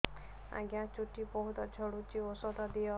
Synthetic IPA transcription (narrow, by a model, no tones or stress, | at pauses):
a̰ɡjãt͡ʃuʈibɔɦud̪ɔd͡ʒʱɔɽut͡ʃiosɔd̪ɔd̪ijɔ